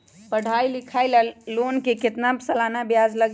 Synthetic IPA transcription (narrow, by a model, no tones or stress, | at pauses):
pəɽ̤ʱailikʰajləlːonkekɪt̪nabsəlanabjad͡ʒləɡ